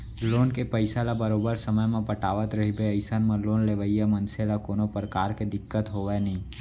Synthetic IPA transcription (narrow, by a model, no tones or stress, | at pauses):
loːnkepəɪsalabəɾoːbəɾsəməjmẽpəʈaːʋət̪ɾəɦibeəɪsənmãloːnleːʋəijamə̃nselakoːnopɾəkaːɾked̪ɪkːət̪ɦoːʋɛnəɦĩ